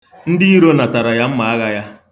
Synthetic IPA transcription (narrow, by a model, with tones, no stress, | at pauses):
n̩˦dɪ˦i˦ɾo˦na˨ta˨ɾa˨ja˦m̩˦ma˨a˦ɣa˦ja˦